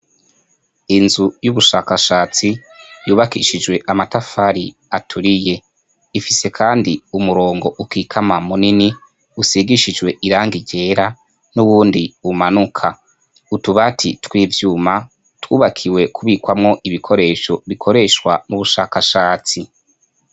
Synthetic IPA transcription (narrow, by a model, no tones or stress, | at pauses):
inzujuβuʃaːkaʃaːt͡sijuːβakiʃid͡ʒwe̞ʔamatafaɾi | atʰuɾije̞ | ifise̞kʰaːndiumuɾo̞ːŋɡo̞ʔukikʰamamunini | usiɡiʃid͡ʒwe̞ʔiɾaːŋɡiɟe̞ːɾa | nuβuːndiumanukʰa | utuβatʰitwiːvjuːma | twuːβakʰiwe̞kʰuβiːkwamŋo̞ʔiβikʰo̞ɾe̞ʃo̞βikʰo̞ɾe̞ʃwa̰muβuʃaːkaʃaːt͡si